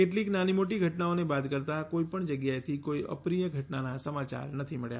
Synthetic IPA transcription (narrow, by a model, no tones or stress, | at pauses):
keʈliːknanimoʈiɡʱəʈnaonebad̪kəɾt̪akoipəɳd͡ʒəɡjaet̪ʰikoiə̰pɾijəɡʱəʈnanasəmat͡ʃa̰ɾnət̪ʰiməɭja̰